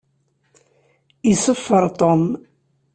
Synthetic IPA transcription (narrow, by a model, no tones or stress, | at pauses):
isəfːəɾˤt̪ˤɔm